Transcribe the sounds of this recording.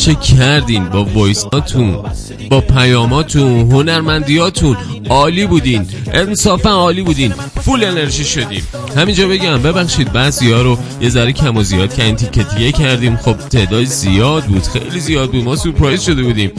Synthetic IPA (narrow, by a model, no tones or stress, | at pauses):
t͡ʃʰecʰæɾd̪iːnbɒːvɒjsɒːt̪ʰun | bɒːpʰæjɒːmɒːt̪ʰũnɦonæɾmænd̪ijɒːt̪ʰunɒːliːbuːd̪inʔensɒːfænɒːliːbuːd̪iːn | fule̞ne̞ɾʒiːʃo̞d̪ḭːm | hæmind͡ʒɒːbe̞ɟæmbe̞bæxʃiːd̪̚bæziɒːɾojezæɾecʰæmɔzijɒːd̪̚kʰæɾint̪ʰicʰːet̪ʰijecʰæɾd̪ĩːmxo̞b̥̚t̪ʰe̞d̪ɒːd̪iz̥ijɒːd̪̚buːd̪̥xe̞̰jlizijɒːd̪̚buːd̪mɒːsuɾpʰɾɒjzʃo̞d̪ebuːd̪iːm